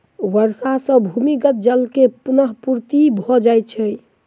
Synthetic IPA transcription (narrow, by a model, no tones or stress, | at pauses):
wəɾsasə̃bʱumikət̪̚d͡ʒəlkepunəɦpuɾt̪ibʱɔd͡ʒajt̪̚t͡ʃʰə